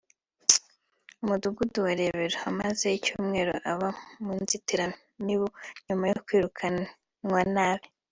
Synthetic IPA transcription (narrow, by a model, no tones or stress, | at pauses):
umuduɡuduwaɾe̞βe̞ɾoamaze̞icuːmŋe̞ɾoʔaβamunzitiɾa | niβoɲumajokwiːɾukʰa | ŋwanaːβe